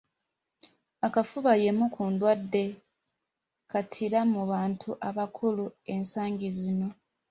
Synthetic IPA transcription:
akafuβaje̞mukuːndwadːe̞ | katʰiɾamuβaːntʰuʔaβakʰulue̞nsaːɲɟizino̞

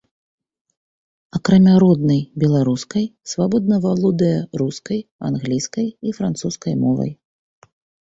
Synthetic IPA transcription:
akɾamʲaɾɔd̪nɐjbʲɛlˠaɾuskɐjsvabɔd̪nɐvalˠɔd̪ɐjɛɾuskɐja̰nɣlʲiskɐjifɾant̪suskɐjmɔvɐ̰j

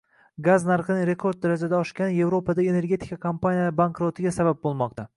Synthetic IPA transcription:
ɡaznaɾqɨnɪɾe̞kʰo̞ɾd̪̚d̪aɾad͡ʒad̪aɒʃkʲanje̞vɾopad̪ae̞ne̞ɾɡʲe̞t̪ʰɪ̥kakʰampanijabankɾot̪ʰɪɡʲasabap̚bolˠmɒq̚t̪ʰa

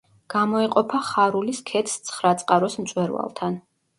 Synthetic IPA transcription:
ɡ̥amɔɛqʼɔpʰaχaɾuliskʰɛt̪ʰst̪sʰχɾat̪sʼqʼaɾɔsmt̪sʼwɛɾwa̰lˠt̪ʰan

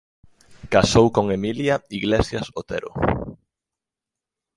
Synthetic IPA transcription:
kasowkoŋemiljɐiɣlesjɐsot̪ḛɾʊ̰

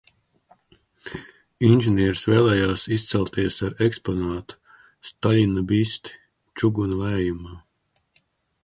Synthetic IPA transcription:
inʲʒɛnʲiɛɾsvɛːlˠɛːjaːsist̪sɛlˠt̪iɛsaɾɛkspɔnaːt̪u̥ | st̪alinabist̪i̥ | t͡ʃuɡunulɛːjumaː

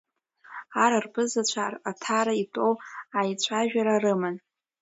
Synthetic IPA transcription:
aɾarpɨzat͡ɕʷʰaratʰaɾaitʼowajt͡ɕʷʰaʒᶣaɾarɨmɨn

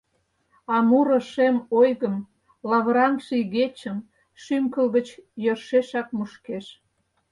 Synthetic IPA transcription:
ɑmuɾə̆ʃemojɣəm | lɑβɾɑnʃiɣet͡ɕəm | ʃymkəlɣət͡ɕjørʃeʃɑk̚muʃkeʃ

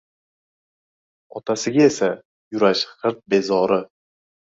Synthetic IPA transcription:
ɒt̪ʰasɪɡʲae̞sa | jʊɾaʃχɨɾt̪̚be̞zɒɾɪ

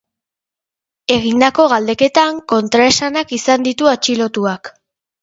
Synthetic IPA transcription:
e̞ɣind̪ako̞ɣ̞ald̪e̞ke̞t̪aŋko̞nt̪ɾae̞sanakisand̪it̪uat͡ʃilo̞t̪uak

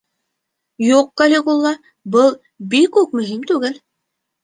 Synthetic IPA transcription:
juq̚ːɑlʲekulˠːɑ | bɤlˠ | bikʉk̚mɵ̆ɦimt̪ʉɡɘl

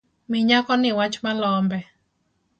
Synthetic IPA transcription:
mɪɲakɔnɪwat͡ʃmalɔmbɛ

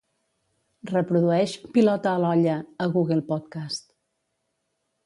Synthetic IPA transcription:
rəpɾuðuɛʃpilɔt̪əːlɔʎəəɣuɣəlˠpɔt̪kast̪

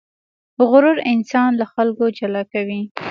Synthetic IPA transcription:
ɣʊɾʊɾɪnsɑnlaxalkod͡ʒalɑkawi

